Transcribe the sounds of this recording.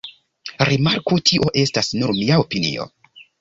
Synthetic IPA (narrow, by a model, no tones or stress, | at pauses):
ɾimaɾkutʰiʔo̞ʔe̞stasnuɾmiaopinḭo̞̰